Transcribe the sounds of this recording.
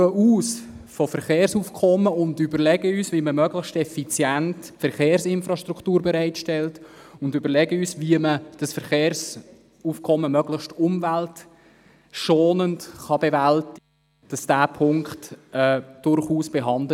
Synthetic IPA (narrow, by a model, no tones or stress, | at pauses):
əuːsfɔfəɾχeːɾsuːfkʰɔməʊndybəɾlɛɡəyːsviməmœɡləχʃtɛfit͡sjæntfəɾχeːɾsɪnfɾɑʃtɾukʰtuːɾbɛɾaɪtʃtɛltʊndybəɾlɛɡəyːsviəməd̥ɑsfəɾχeːɾs | uːfkʰɔmːəmœɡlɪχʃtʊmvælt | ʃoːnəntχɑbevælti | d̥ɑsd̥æːpʰʊŋkχtɛːd̥ʊɾχuːsb̥eɦɑnd